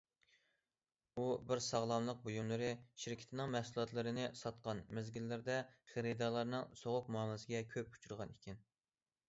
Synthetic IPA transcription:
ubɪɾsɑʁlˠɑmlˠəq̚bojumlˠɨɾɨʃɪɾkʲʰɪ̥t̪ʰɪnɪŋmɛhsulˠɑt̪lˠɨɾɨnɪsɑt̪̚qɑnmɪzɡʲilːɪɾd̪ɛχeɾɨd̪ɑlˠɑɾnɨŋsoʁʊq̚muɑmsɪɡʲɛkʲʰøp̚ʰu̥t͡ʃʰuɾʁɑnikʲʰɪn

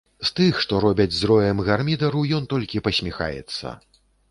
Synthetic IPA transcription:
st̪ɨxʂt̪ɔɾɔbʲɐd͡zʲzɾɔjɛmɣarmʲid̪ɐɾujɔnt̪ɔlʲkʲipɐsʲmʲixa̰jɛ̰t̪sːɐ̰

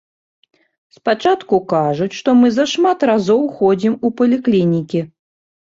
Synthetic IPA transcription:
spat͡ʂat̪kukaʐut͡sʲʂt̪ɔmɨzɐʂmat̪razɔwxɔd͡zʲimupɐlʲiklʲinʲikʲi

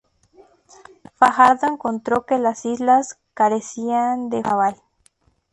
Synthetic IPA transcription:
faxaɾðoeŋkont̪ɾo̞kelasizlas | kaɾesiand̪exaβal

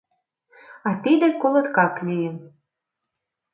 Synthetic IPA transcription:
ɑt̪id̪ĕkolɤ̆t̪kɑklʲijəm

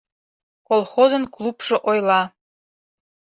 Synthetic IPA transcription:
kolˠxozə̆nklˠupʃŏʔojlˠɑ

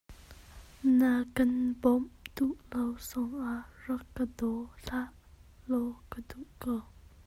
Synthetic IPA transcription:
nakənpomd̪uʔlawsoŋarəkəd̪oɬaʔ | lokəd̪uʔko

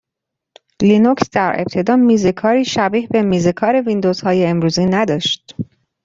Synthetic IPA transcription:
linoksd̪æɾʔe̞̰b̚t̪ʰe̞d̪ɒːmiːze̞kʰɒːɾiːʃæbiːhbe̞miːze̞kʰɒːɾe̞vind̪oz̥hɒːjeːmɾuːziːnæd̪ɒːʃt̪

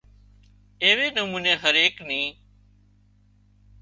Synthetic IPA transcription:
eːʋeːnəmuːneːɦəɾeːknĩː

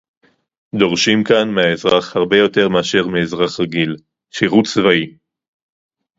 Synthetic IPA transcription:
d̪o̞ʁʃimkanmeaezʁaχhaʁbe̞jo̞te̞ʁmeaʃe̞ʁmeezʁaχʁaɡil | ʃiʁutt͡svai

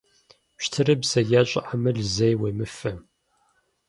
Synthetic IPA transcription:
ɕtʰɨɾɨbzɐjaɕʼɪ̰ʔamɨɮzejweːmɨfɨ

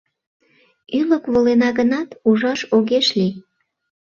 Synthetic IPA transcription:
yləkβolenɑɣənɑt̪uʒɑʃoɣeʃli

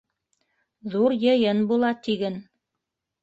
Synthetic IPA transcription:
ðuɾjɤ̆jɤnbulˠɑt̪iɡɘn

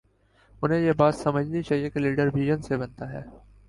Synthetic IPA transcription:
ʊnɦẽjeːbaːt̪sɐməd͡ʒʱnit͡ʃaːɦijekeliːɖəɾʋiːʒənsebɐnt̪aɦɛ̰ː

